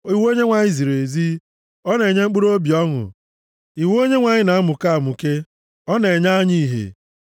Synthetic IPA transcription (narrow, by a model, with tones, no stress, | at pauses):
i˦˨wo˦ɲe˦ŋʷa˨ɲɪ˦zi˨ɾe˨zi˦ | ɔ˦ne˨ɲe˦ŋ͡m̩˦k͡pu˦ɾo˦bi˨ɔ˦ŋʊ̰˨ | i˨wo˦ɲe˦ŋʷa˨ɲɪ˦na˨a˦mʊ˨ka˦a˨mʊ˨ke˦ | ɔ˦ne˨ɲa˦ɲi˦˨ɦḛ˨